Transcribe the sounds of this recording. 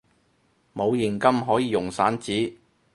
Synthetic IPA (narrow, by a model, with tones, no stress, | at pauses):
mo˨˧wjɪ˨˩ŋkɐ˥mɦɔː˨˥jiː˨˧jʊ˨˩ŋsaː˨˥nt͡siː˨˥